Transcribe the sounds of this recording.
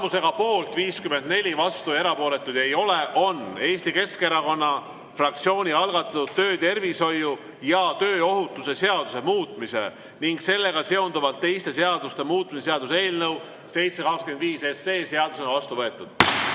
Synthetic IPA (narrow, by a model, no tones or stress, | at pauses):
muse̞ɡ̥ɑpo̞ːlt̪ˑviːskyme̞nd̪ne̞lʲivɑst̪ue̞ɾɑpo̞ːle̞t̪ːˑud̪̥e̞jo̞leʔo̞ne̞ːst̪ike̞ske̞ɾɑko̞nːɑ | frɑk̚t̪sio̞ːnʲiɑlɡ̥ɑt̪ːˑɑt̪ːud̪t̪ːø̞ːt̪e̞rviso̞jːu | jɑt̪ø̞ːo̞ɦut̪ːuse̞se̞ɑd̪̥use̞muːt̪ˑmisḛ | niŋɡ̥se̞lːe̞ɡ̥ɑse̞o̞nd̪uvɑlt̪ːe̞jst̪e̞seɑd̪̥ust̪e̞muːt̪ˑmiseseɑd̪us̬e̞ːlnɤw | se̞jt̪se̞kɑkskyend̪viːse̞se̞ːse̞ɑd̪useonvɑst̪uvɤ̞e̞t̪ːˑud̪̥